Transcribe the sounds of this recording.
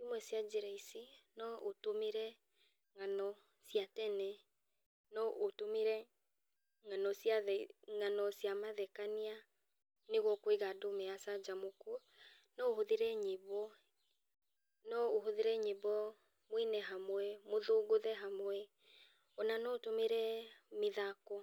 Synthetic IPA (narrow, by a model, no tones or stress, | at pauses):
imwɛsiad͡ʒeɾaisinɔʔotomeɾɛ | ŋanɔ | siatɛnɛ | nɔʔotomeɾɛ | ŋanɔsjaðɛŋanɔsiamaðɛkania | neɣwɔkoeɣadomɛasad͡ʒamokuɔ | nɔoɦoðeɾɛɲeβɔ | nɔoɦoðeɾɛɲeβɔ | mwinɛɦamwɛmoðoɣoðɛɦamwɛ | ɔnanɔotomeɾɛmeðakɔ